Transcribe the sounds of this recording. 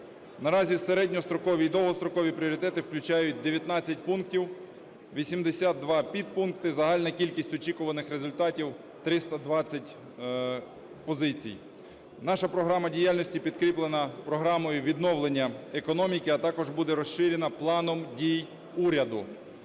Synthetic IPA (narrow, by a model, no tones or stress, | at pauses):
nɐɾɑzʲiseɾɛdʲnʲɔst̪ɾɔkɔʋʲid̪ɔlˠɦɔst̪ɾɔkɔʋʲipɾʲiɔɾʲɪt̪ɛt̪ɪwklʲʊt͡ʃɑjʊt̚ʲd̪eʋʲjɐt̪nɑt͡sʲːɐtʲpunktʲiw | ʋʲisʲimd̪esʲad̪̚ːʋɑpʲid̪̚punkt̪ɪzɐɦɑlʲnɐkʲilʲkʲisʲtʲɔt͡ʃikʊʋɐnɪxɾezʊlʲt̪ɑtʲiw | t̪ɾɪst̪ɐd̪ʋɑt͡sʲːɐtʲ | pɔzɪt͡sʲḭj | nɑʃɐpɾɔɦɾɑmɐdʲijalʲnɔsʲtʲipʲid̪kɾʲiplˠenɐpɾɔɦɾɑmɔjʊʋʲid̪nɔwlˠenʲːɐekɔnɔmʲikɪɐt̪ɑkɔʒbud̪ɛɾɔsʃɪɾʲenɐplˠɑnɔmdʲij | uɾʲɐd̪ʊ